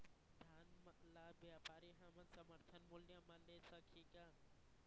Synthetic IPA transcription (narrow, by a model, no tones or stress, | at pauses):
d̪ʱaːnmlaːbɪaːpaːɾiɦãmɐnsɐməɾt̪ʰɐnmʊljãmãleːsakʰiːka